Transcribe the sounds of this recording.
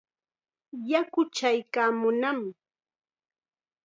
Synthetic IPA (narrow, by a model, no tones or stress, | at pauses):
jakʊt͡ʃajkaːmʊnamɪ